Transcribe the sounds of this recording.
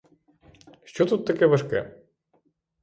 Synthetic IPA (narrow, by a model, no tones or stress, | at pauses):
ʃt͡ʃɔt̪ut̪ːɐkʲɛʋɐʃkɛ̰